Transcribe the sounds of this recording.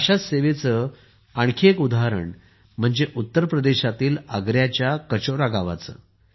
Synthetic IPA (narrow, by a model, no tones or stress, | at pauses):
aɕaseʋet͡sə | aɳkʰiekud̪ʱaɦɾə̰ɳ | m̤əɳd͡zeʔut̪ːəɾpɾəd̪eɕat̪iːləɡɾjat͡ɕjakət͡ɕoɾaɡaʋa̰t͡sə̰ː